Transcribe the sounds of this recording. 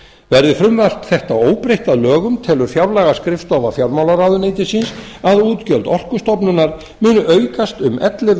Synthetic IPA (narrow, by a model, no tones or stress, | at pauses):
vɛɾðɪfɾʏmval̥t̪θɛht̪aoːwpɾejht̪aðlœːɣʏmt̪ʰɛːlʏɾ̥fjawlaɣaskɾɪft̪ɔvafjawɾmawlaɾawðʏneːjt̪ɪsinsaðuːt̪cœlt̪ɔr̥kʏst̪ɔpnʏnːaɾ̥ | mʏːnʏʔœːɥkast̪ʏmʔɛt̪lɪ